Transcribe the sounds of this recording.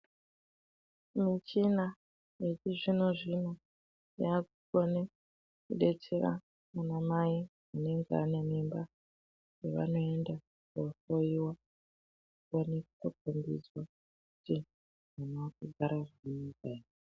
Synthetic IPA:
mit͡ʃina | jet͡ʃiʐinoʐino | jakukone | kuɗe̞t͡seɾa̰ | manamai | ane̞ŋɡeanemimba | jeʋa̰no̞e̞nda | kosoiwa | wanekkokombḭd͡zwa | kuti | ʐanaakuɡʱaɾaʐinɡaie

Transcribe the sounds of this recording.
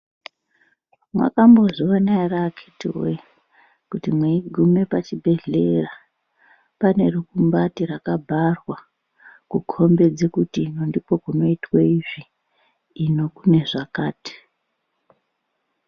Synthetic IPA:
mwa̰kambo̞ʐiʋanairakʰitḭwe | kutimweiɡʱume̞pat͡ʃibʱe̞ɮe̞ra | pane̞rukumbatirakabʱarwa | kukʰo̞mbe̞d͡ze̞kutinondipo̞kuno̞itweiʐiː | no̞kune̞ʐakaːti̥

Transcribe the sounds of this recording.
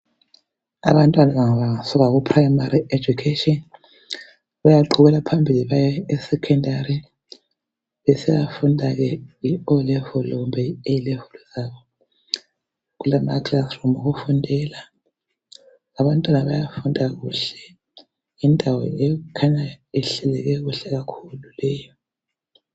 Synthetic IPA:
a̰βantʼwanaβaŋaβaŋasɔɣaɣupʰʼraimaɾiʔed͡ʒʱukʰetʼɔn | βajaǃʰuɣɛlapʰambʱiliβajɛɛsɛkʰɔndʱari | βɛsɛβafundʱaɣɛiɔlɛvɔlɔɣumbʱɛejilɛvuluz̥aβɔ | ɣulamaklaθrɔmuɣufundʱɛla | aβantʼwanaβajafundʱaɣuɬɛ̥ | indʱawɔ̰ɛukʰaɲaɛɬɛlɛɣɛɣuɬɛɣakʰululɛːjɔ

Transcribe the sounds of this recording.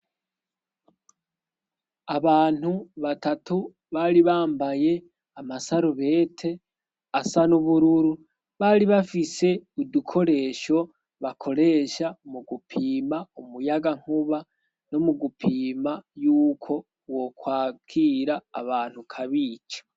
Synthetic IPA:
aβaːn̥huβatatu | βaɾiβaːmbaje̞ | amasaɾuβe̞ːtʰe̞ | asanuβuɾuɾu | βaɾiβafise̞udukʰo̞ɾe̞ʃo̞ | βakʰo̞ɾe̞ːʃamuɡupʰiːmaumujaɡaŋ̥uβa | no̞muɡupʰiːmajuːkʰo̞ | wo̞kwaːkʰiːɾaːβaːn̥hukʰaβiːt͡ʃḁ

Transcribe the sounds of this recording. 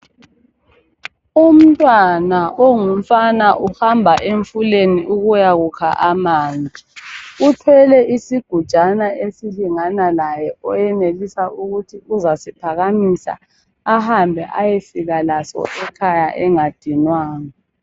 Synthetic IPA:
um̩tʼwanaʔoŋum̩fanaʔuhambʱaʔeɱfuleniuɣujaɣukʰa̰ʔamaːnd͡zʱiutʰwɛlɛʔisiɡ̥ʱud̥ʒ̥ʱanaesiliŋanalajɛɔjɛnelisauɣutʰiuzasipʰaɣamisa̰ː | hambʱɛʔajefiɣalasɔ̰ʔɛkʰajaʔɛŋad̥ʱinwaːŋa

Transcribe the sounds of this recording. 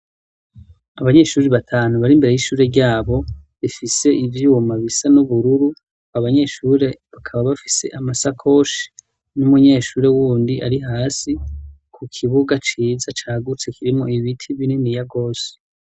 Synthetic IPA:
aβaɲe̞ʃuːɾeβatʰaːnuβaɾimbe̞ɾe̞jiʃuːɾe̞ɾɟaːβo̞βifise̞ʔivjumaβisanuβuɾuɾu | aβaɲe̞ʃuɾe̞βakʰaβaβafi̥se̞̰ʔamasakʰo̞ʃi̥ | numuɲe̞ːʃuːɾe̞wuːndiʔaɾiɦaːsi | kʰukʰiβuɡat͡ʃiːzat͡ʃaːɡut͡se̞kʰiɾimŋo̞iβitʰiβininijaɡo̞ːse̥

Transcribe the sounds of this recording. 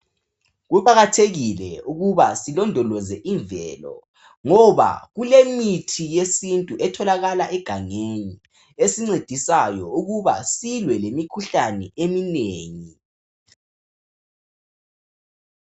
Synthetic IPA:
ɣuβaɣatʰeɣilɛ̰uɣuβasilɔndʱɔlɔzɛʔiɱvɛ̰lɔ̰ | ŋɔβa̰ɣulemitʰijesintʼuʔɛtʰɔlaɣalaʔɛɡ̥ʱaŋeɲi | esiŋ͡ǀed̥ʱisajɔuɣuβa̰silwɛlemikʰuɬanɛemineːŋi

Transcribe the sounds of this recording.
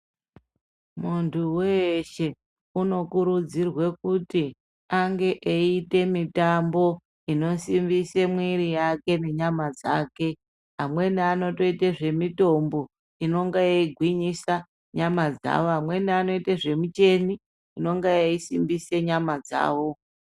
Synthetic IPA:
muntʰuweʃe̞ | uno̞kuɾud͡zirwe̞kuti | aŋɡe̞ʔeite̞mitambo̞ | ino̞simbisemwiɾijake̞ne̞ɲamad͡zaːke̞ | ɦamwe̞niano̞to̞iteʐe̞mito̞mbo̞ | ino̞ŋɡejaiɡʱwiɲisa | ɲamad͡za̰ʋoamwe̞niano̞iteʐe̞mut͡ʃe̞ni | ino̞ŋɡejaisimbise̞ɲamad͡za̰ːʋo̞

